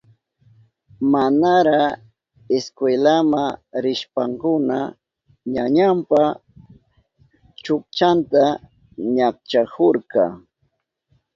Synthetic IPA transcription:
manaɾɑ | eskwelamaɾɪʃpaŋkʊna | ɲaɲampa | t͡ʃʊk̚t͡ʃant̪a | ɲak̚t͡ʃakoɾkɑ̰

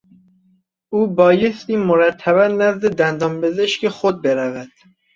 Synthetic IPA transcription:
uːbɒːjest̪iːmoɾæt̪ʰːæβænnæzd̪ed̪ænd̪ɒːmbezeʃkexod̪̚beɾævæd̪̥

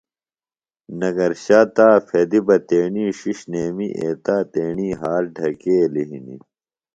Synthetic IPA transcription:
nɐɡɐɾɕaːt̪aːfed̪ibɐt̪eːɳiːɕiɕneːmiʔeːt̪aːt̪eːɳiːɦaːɾɖʱɐkeːliɦḭnḭ

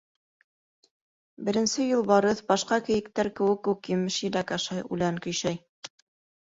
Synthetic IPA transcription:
bɘ̆ɾɘ̆nsɘjulˠbɑɾɤθbɑʃqɑkɘ̆jɘ̆k̚t̪æɾkɘ̆wɘkːʉkjɘ̆mɘʃɘ̆lækæʃɑjʉ̰læŋkɵ̆jʃæj

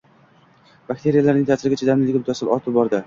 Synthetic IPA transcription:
bak̚ʲt̪ʰe̞ɾijalaɾnɪŋt̪ʰaːsɪɾɪɡʲat͡ʃʰad̪amnɪldɡʲamʊt̪ʰasɪlɒt̪ʰɪp̚bɒɾd̪ɪ

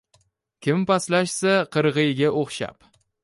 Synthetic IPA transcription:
kʲʰɪmpaslaʃsaqʰɨɾʁɨjɡʲaʔoχʃa̰p

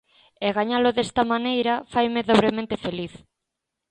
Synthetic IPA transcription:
ɛɣaɲalʊðest̪ɐmanejɾɐfajmeðoβɾemẽnt̪ɪfeliθ

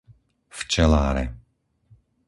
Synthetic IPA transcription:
ft͡ʃɛlaːɾɛ̰

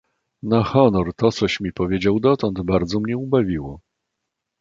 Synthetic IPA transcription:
naxɔnɔɾt̪ɔt̪sɔɕmʲipɔvʲjed͡ʑawd̪ɔt̪ɔnd̪baɾd̪zɔmɲɛubavʲiwɔ

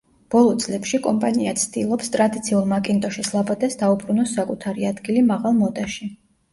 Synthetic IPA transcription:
b̥ɔlˠɔt̪sʼlɛpʃikʼɔmpʼaniat̪sʰd̪ilˠɔpst̪ʼɾad̪it̪sʰiulˠmakʼint̪ʼɔʃislˠabad̪ɛsd̪aupʰʼɾunɔsːakʼut̪ʰaɾiad̪ɡilimaʁalˠmɔd̪aʃi

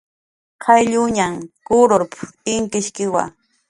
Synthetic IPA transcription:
kʰajʎʊɲamkʊɾoɾpʊ̥ɪŋkɪʃkɪwa̰

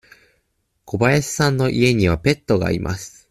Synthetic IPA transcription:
ko̞baesɨ̥sãnːo̞ʔie̞ɲ̟iβ̞ape̞t̪ːo̞ɡa̰ːɾʲḭmʔa̰sɨ̥

